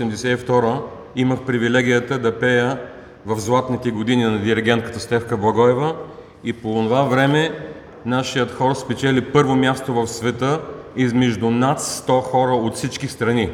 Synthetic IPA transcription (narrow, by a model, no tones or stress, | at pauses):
sɛmd̪ɛsɛift̪ɔɾə | iməxpɾivilɛɡʲijət̪əd̪ɐpɛjə | vɐfzlˠat̪nit̪ɛɡod̪ininɐd̪iɾɛɡʲɛnt̪̚kə̥t̪əst̪ɛfkəblˠɐɡɔɛvə | iponovavɾɛmɛ | naʃijət̪xɔɾspɛt͡ʃɛlipɤɾvomʲjast̪ovɐfsvɛt̪əizmɛʒd̪ʊnat̪st̪ɔxɔɾəot̪fsit͡ʃkist̪ɾɐni